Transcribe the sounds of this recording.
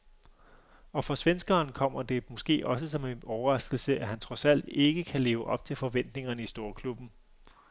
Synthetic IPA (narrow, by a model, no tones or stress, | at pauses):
ɒ̽fʁɑ̈sʋensɡ̥ɐːnkʰɒ̽m̰ɐd̥e̝mɔ̽sɡ̥e̝̰ːʔɒ̽s̬əsɒ̽me̝nɒʊɐʁɑ̈sɡ̥l̩səʔæɦænt͡sʰʁɒ̽sæl̰d̥e̝ɡ̥əkʰæle̝ːʊəʔɒ̽b̥̚t͡sʰe̝lfɒ̽ʋen̰d̥ne̝ŋɐnəisd̥o̝ːɐkʰlub̥n̩